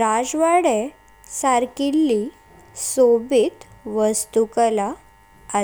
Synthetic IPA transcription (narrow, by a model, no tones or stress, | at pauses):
ɾad͡zʋaɽe | saɾkilːi | sobit̪ʋəst̪ukəlaː